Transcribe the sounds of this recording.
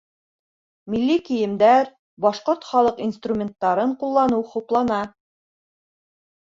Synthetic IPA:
milːikijɘ̆md̪æɾ | bɑʃqoɾt̪χɑlˠɤqinst̪rumʲent̪ːɑɾɤɴqulˠːɑnɤwχuplˠɑnɑ

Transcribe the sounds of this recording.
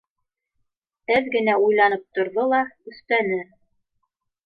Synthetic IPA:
æðɡɘ̆næujlˠɑnɤp̚t̪ŏɾðolˠɑʉ̆st̪ænɘ

